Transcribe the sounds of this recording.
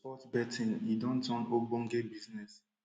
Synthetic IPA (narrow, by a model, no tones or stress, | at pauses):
pɔtbɛtʰĩnidɔ̃ntɔ̃nobõŋ̩ɡebiznɛs